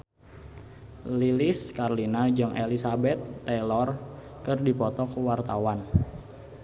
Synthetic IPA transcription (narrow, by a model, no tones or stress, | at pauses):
lilɪskarlinad͡ʒaŋʔelisabɛt̪ːɛlɔrkɨrdipɔt̪ɔkəwart̪awan